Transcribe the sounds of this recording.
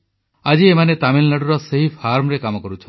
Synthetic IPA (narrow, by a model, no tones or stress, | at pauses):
ad͡ʒiemanet̪amillaɽuɾɔseɦipʰaɾmɔɾekamɔkɔɾut͡ʃʰɔ